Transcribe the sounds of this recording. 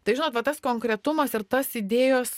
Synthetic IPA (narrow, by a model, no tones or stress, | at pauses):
t̪ɐɪʒʲɪnoːt̪ʋɐt̪ɐskoːŋkɾʲɛt̪ʊmɐsɪɾt̪ɐsid̪ʲeːjoːs